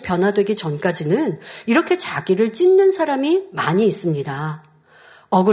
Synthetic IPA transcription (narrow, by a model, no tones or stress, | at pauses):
pjʌnɦwadwe̞ɡit͡ɕʌnk͈ad͡ʑinɯniɾʌkʰe̞t͡ɕaɡiɾɯɭt͡ɕ͈inːɯnsʰaɾamimaɲiːs͈ɯmɲida | ʌɡɯ